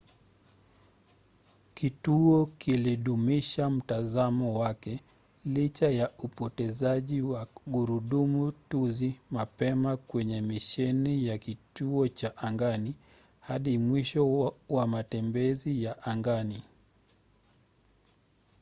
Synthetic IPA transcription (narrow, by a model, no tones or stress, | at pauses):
kituɔkiliɗumiʃam̩tazamɔwakɛ | lit͡ʃajaupɔtɛzaʄiwaɠuɾuɗumutuzimapɛmakwɛɲɛmiʃɛnijakituɔt͡ʃaʔaŋɡani | haɗimwiʃɔwamatɛmbɛzijaʔaŋɡani